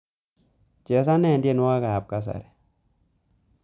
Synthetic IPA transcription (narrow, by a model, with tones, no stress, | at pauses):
t͡ʃɛ˨s̬a˦nɛ˦˨ndje˦˨nwa˦ka˨a˨p̚ka˦s̬a̰˨ɾɛ˨